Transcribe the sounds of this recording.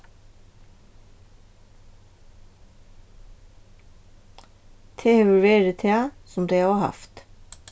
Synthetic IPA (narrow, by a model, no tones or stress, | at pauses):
t̪ʰeːheʋʉʋeːɾət̪ʰeɑsɔmd̪eɪɑɑːhɑ̰ft̪